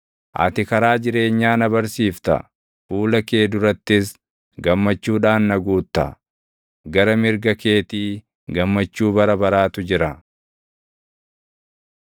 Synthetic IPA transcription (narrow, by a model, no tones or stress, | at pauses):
ʔɐ̰t̪ɪkɐɾaːd͡ʒɪɾe̞ːɲːaːnɐbɐɾsiːft̪ɐ̰ | fuːlɐke̞ːd̪ʊɾɐt̪ːɪs | ɡɐmːɐt͡ʃːuːᶑaːnːɐɡuːt̪ːɐ̰ | ɡɐɾɐmɪɾɡɐke̞ːt̪iː | ɡɐmːɐt͡ʃːuːbɐɾɐbɐɾaːt̪ʊd͡ʒɪɾɐ